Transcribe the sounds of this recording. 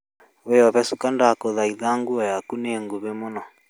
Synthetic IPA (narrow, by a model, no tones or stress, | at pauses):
wejɔβɛsukandakɔðaiðaŋɡuɔjakuneŋɡuβemɔnɔ